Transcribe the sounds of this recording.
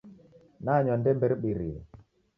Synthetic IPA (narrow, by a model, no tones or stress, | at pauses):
naɲɔndɛmbɛɾɓiɾḭ